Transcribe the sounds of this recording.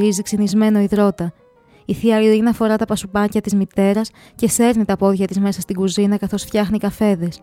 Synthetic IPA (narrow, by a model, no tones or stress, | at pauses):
ɾiziksenizme̞no̞iðɾo̞t̪ɐ | iθiɐɾiinɐfo̞ɾɐt̪ɐpɐsupɐcɐt̪izmit̪e̞ɾɐs | ce̞se̞ɾnit̪ɐpo̞ðʝɐt̪izme̞sɐst̪iɡuzinɐkɐθo̞sfçɐxnikɐfe̞ðe̞s